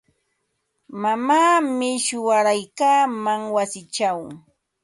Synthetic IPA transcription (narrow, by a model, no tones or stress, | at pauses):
mamaːmɪʃʊwaɾajkaːmaŋwasɪt͡ʃaw